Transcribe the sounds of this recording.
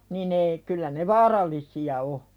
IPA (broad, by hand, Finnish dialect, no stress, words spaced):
nin ei kylːæ ne ʋɑːrɑlˑisiɑ o